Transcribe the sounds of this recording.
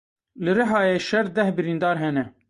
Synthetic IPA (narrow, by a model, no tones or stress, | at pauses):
lɨɾɨɦɑːjeːʃɛɾd̪ɛhbɨɾiːnd̪ɑːɾɦɛnɛ